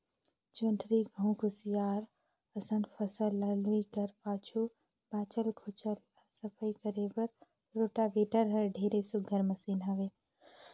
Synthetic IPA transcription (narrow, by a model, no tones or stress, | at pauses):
d͡ʒonʈʰɾiɡʱəũɡʊsijaːɾ | əsənpʰəsəlːəluikəɾpaːt͡ʃʰu | baːt͡ʃəlkʰot͡ʃəl | asəpʰəjkəɾebəɾ | ɾoːʈabeːʈəɾɦəɾɖʱeːɾesʊɡʱəɾməsiːnɦaʋe